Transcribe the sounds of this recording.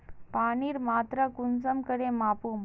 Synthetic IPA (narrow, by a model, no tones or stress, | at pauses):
paniːɾmaːt̪ɾəkunsəmkəɽẽmapum